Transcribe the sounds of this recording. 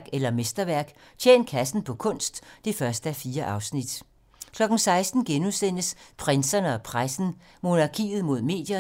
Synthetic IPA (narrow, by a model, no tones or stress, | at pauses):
ɡ̥elɐmesd̥ɐʋæɐɡ̥ | t͡ɕʰjḛːn̥̚kʰæsn̩pʰɒ̽kʰɔ̽n̰sd̥ːe̝fɶɐsd̥əæfiːɐʔɑ̈ʊsnid̥ | kʰlɒ̽ɡ̥n̩sɑ̈ɪsd̥n̩ɡ̥enusen̰əspʰʁensɐnəɒ̽pʰʁasn̩ | mo̝nɑ̈kʰḭːð̩ˠmo̝ð̞̰ˠme̝̰ːd̥jɐ